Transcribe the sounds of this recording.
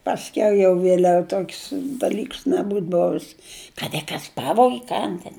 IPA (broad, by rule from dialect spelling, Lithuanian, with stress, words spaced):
pɐsʲˈkʲɛʊ jɛʊ ʋʲiɛˈlʲɛʊ ˈtoːkʲsʲ dɐˈlʲiːks nʲɛˈbuːt ˈboːʋʲɪs kɐt ɪ ˈkɐs ˈpɑːʋoːɡʲɪ ˈkɐn tʲɛn